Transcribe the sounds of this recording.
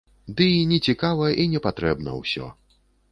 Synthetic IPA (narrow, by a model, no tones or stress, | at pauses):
d̪ɨnʲɛt͡sʲikavɐjʔinʲɛpat̪ɾɛbnɐ̰wsʲɔ̰